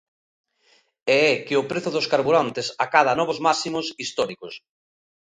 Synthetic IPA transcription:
ɛɛkeʊpɾeθʊðoskaɾβuɾant̪esakaðanɔβozmasimosist̪ɔɾikos

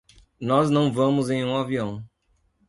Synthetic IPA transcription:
nɔznɐ̃w̃vɐ̃mʊzẽj̃ũaviɐ̃w̃

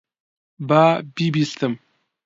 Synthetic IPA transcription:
babibiɬt̪ʰəm

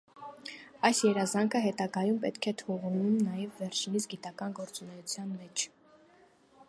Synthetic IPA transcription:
ɑjsjɛɾɑzɑŋkʰəɦɛt̪ɑɡɑjumpɛt̪kʰɛt̪ʰɔʁunumnɑjɛvːɛɾt͡ʃʰinit͡sʰɡit̪ɑkɑnɡɔɾt͡sunɛjut͡sʰjɑnmɛt͡ʃʰ

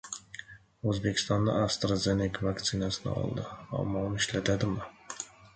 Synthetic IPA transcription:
ɵzbekʲʰɪ̥st̪ɒnd̪ɑ̰ast̪ɾozenikvɑkt̪sʰinasɪnɪ̰ɒ̰lˠd̪ɪɑ̰mːɒuniʃlæt̪ʰad̪ɪmɪ

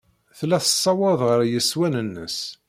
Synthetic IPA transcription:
θlæθəsˤːɑwɑðˤʁəɾjəswænənːə̰s

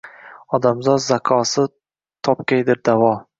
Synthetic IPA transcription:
ɒd̪amzɒd̪zakʰɒsɪ | t̪ʰɒpkʲajd̪ɪɾd̪avɒ

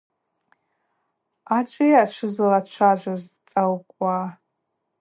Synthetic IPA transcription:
at͡ʃʷʼejaʈ͡ʂʷʰɨzlat͡ʃʷʰaʒʷaz | t͡sʼawkʷʼa

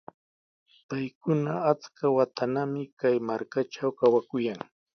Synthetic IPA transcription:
pajkʊnaːt͡skawat̪ʰanamɪkajmaɾkaʈ͡ʂawkawakʊjaŋ

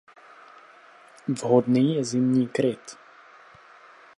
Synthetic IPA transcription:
vɦɔd̪niːjɛzɪmɲiːkɾɪt̪

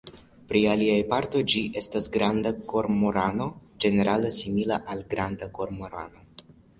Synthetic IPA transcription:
pɾialiajpaɾto̞jd͡ʒiʔe̞stasɡɾandako̞ɾmoɾano̞d͡ʒe̞ne̞ɾalesimilaʔalɡɾandako̞ɾmo̞ɾa̰no̞

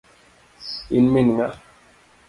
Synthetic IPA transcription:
inminŋa

